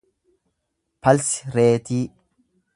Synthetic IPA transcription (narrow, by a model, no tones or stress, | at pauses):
pɐlsɪ̥ɾeːt̪iː